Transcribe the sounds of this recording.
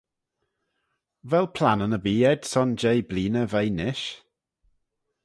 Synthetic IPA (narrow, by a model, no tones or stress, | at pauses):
vɛlˠpʰl̥ˠanənəbiːɛd̥sɔnd͡ʒejbliːnəvejnɪʃ